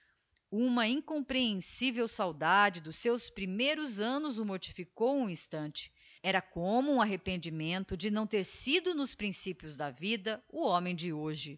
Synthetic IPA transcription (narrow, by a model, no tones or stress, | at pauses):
ũmɐĩŋkõmpɾeẽsivewsawd̪ad͡ʒɪd̪ʊsːewspɾimejɾʊzɐ̃nʊzʊmoɾt͡ʃi̥fikowũĩst̪ɐ̃nt͡ʃɪ̥ | ɛɾɐkõmʊũaɦepẽnd͡ʒimẽnt̪ʊd͡ʒɪnɐ̃w̃t̪eɾsid̪ʊnʊspɾĩsipjʊzd̪ɐvid̪ɐʊõmẽj̃d͡ʒɪoʒɪ